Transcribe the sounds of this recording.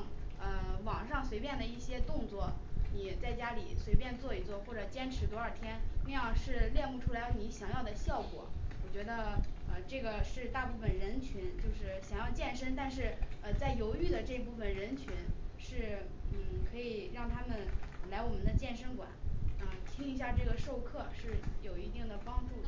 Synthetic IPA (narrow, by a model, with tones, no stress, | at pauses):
ŋə˧wɑ˨˩ŋʂɑ˥˩ŋswe˧˥ɪpjɛ˥˩nd̪ə˩i˥˩ɕjɛ˥t̪ʊ˥˧ŋt͡swɔ˥˩ni˨˩t͡sa˥˩ɪt͡ɕja˥li˨˩swe˧˥ɪp̬jɛ˥˧nt͡swɔ˥˩i˧˥t͡swɔ˥˧xwɔ˥˩ʈ͡ʂɤ˨˩t͡ɕjɛ˥nʈ͡ʂʰɻ̩˧˥t̪wɔ˧˥ə˞˥˩t̪ʰjɛ˥nna˥˧jɑ˥˧ŋʂɻ̩˥˧ljɛ˥˧nmu˥˩ʈ͡ʂʰu˥la˧˥ɪ˥˩ni˧˥ɕjɑ˨˩ŋjɑ˥˩ʊd̪ə˩ɕjɑ˥˩ʊkwɔ̰˨˩˦wɔ˨˩t͡ɕɥɛ˧˥d̪ə˧ə˧ʈ͡ʂɤ˥˩ɡə˩ʂɻ̩˥˧t̪a˥˧pu˥˩fə˩nɻə˧˥nt͡ɕʰy˧˥nt͡ɕjo˥˧ʊʂɻ̩˥˩ɕjɑ˨˩ŋjɑ˥˧ʊt͡ɕjɛ˥˩nʂə˥nt̪a˥˧nʂ̬ɻ̩˥˩ə˧t͡sa˥˩ɪjo˧˥ʊy˥˩d̪ə˩ʈ͡ʂɤ˥˧i˧˥pu˥˩fə˨˩nɻə˧˥nt͡ɕʰy˧˥nʂɻ̩˥˩n̩˥˩kʰɤ˧˥i˨˩ɻɑ˥˩ŋt̪ʰa˥mə˨nla˧˥ɪwɔ˨˩mə˧˦nd̪ə˧˦t͡ɕjɛ˥˩nʂə˥ŋkwa̰˨˩˦nə˧t̪ʰi˥ŋi˧˥ɕ̬ja˥˧ʈ͡ʂɤ˥˩ɡə˩ʂo˥˧ʊkʰɤ˥˧ʂɻ̩˥˩jo˨˩ʊi˧˥t̪i˥˩ŋd̪ə˩pɑ˥ŋʈ͡ʂu˥˩